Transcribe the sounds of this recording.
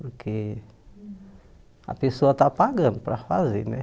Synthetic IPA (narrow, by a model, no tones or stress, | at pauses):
puɾkʰe | a̰pesoat̪apaɡənpɾafazinɛ